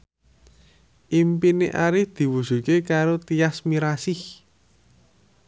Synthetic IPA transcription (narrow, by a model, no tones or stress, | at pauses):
ʔimpineʔaɾɪhd̪̥i̤wuʒ̥ṳkekaɾot̪iasmiɾasɪh